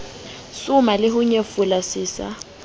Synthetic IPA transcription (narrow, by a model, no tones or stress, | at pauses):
sʊmalɪɦʊɲefʊlasɪːsa̰